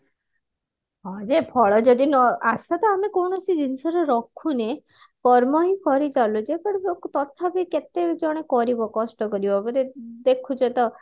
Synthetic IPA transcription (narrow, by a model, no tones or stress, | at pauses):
ɦɔd͡ʒepʰɔɭɔd͡ʒɔd̪inɔasat̪ɔamekowɳ̃ɔsid͡ʒinsɔɾɔɾɔkʰune | kɔɾmɔɦipʰɔɾid͡ʒalud͡ʒepɔɽibokut̪ɔt̪ʰabiket̪ed͡ʒɔɽ̃ekɔɾibɔkɔsʈɔkɔɾibɔbɔɾed̪ekʰud͡ʒet̪ɔ